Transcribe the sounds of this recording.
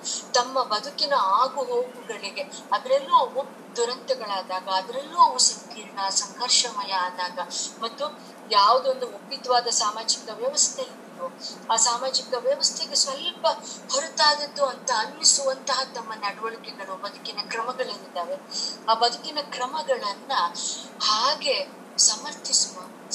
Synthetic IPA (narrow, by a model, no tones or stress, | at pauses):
t̪ɐmːɐbɐd̪ʱukinɐaːɡuɦoːɡuɡɐɭiɡe̞ | ɐd̪ɐɾelːuɐopː | d̪uɾɐnt̪ɛɡɐɭaːd̪aːɡɐːd̪ɐɾelːuɐʋusɐŋkiːɾɳɐsɐŋkʰɐɾʂɐmɐjɐːd̪aːɡɐmɐt̪ːu | jaːʋud̪ond̪uopid̪ɐʋaːd̪ɐsaːmaːd͡ʒikɐʋjɐʋɐst̪ʰeinɾuaːsaːmaːd͡ʒikɐʋjɐʋɐst̪ʰeɡe̞sʋɐlpɐhoɾut̪aːd̪ɐd̪ːuɐnt̪ɐːnːisuʋɐnt̪ɐɦɐt̪ɐmːɐnɐɽʋɐɭukeɡɐɭubɐd̪ukinɐkɾɐmɐɡɐɭɐt̪aːʋe̞aːbɐd̪ukinɐkɾɐmɐɡɐɭɐnːɐhaːɡe̞ | sɐmɐɾt̪ʰisuʋu